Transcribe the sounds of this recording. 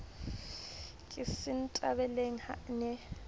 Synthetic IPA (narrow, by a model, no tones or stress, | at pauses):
kʼɪsɪn̩tʼabɛleŋ̩ha̰nɛ